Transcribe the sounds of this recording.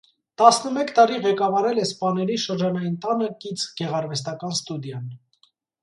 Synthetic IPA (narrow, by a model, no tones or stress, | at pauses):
t̪ɑsnəmɛkʰt̪ɑɾiʁɛkɑvɑɾɛlɛspɑnɛɾiʃəɾd͡ʒɑnɑjint̪ɑnəkit͡sʰɡ̥ɛʁɑɾvɛst̪ɑkɑnst̪ud̪jɑn